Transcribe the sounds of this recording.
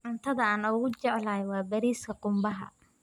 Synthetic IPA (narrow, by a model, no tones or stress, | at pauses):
ʔʊnt̪ʰɐðɐaːnʊɣʊt͡ʃɛʕlaːjwɑːbɐɾiːskʰɐqʊmbɐɦɐ̰